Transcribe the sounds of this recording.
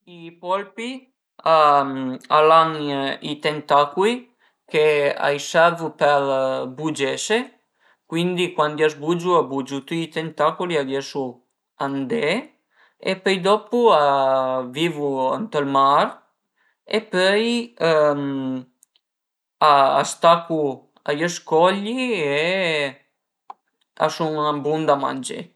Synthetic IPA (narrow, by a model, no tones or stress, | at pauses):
ipɔlpi | a | alaŋit̪ent̪akuli | kea̰jsɛvupɛɾbud͡ʒese | kwind̪ikwand̪iazbud͡ʒuabud͡ʒut̪uit̪ent̪akuliad̪jɛsu | and̪e | ḛpœjd̪ɔpuaviːvua̰nt̪ɔlmaɾ | epœj | a̰ːst̪aku | a̰jɛskɔʎːie | a̰sunabund̪ama̰nd͡ʒḛ